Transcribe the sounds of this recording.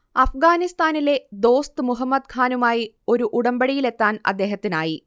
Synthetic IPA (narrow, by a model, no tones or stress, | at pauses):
ɐfɡaːnist̪aːnile̞d̪o̞ːst̪ɨmuɦɐmːɐd̪̚kʰaːnumaːji | o̞ɾuʔuɽɐmbɐɽijile̞t̪ːaːnɐ̰d̪ːe̞ːɦɐt̪ːinaːji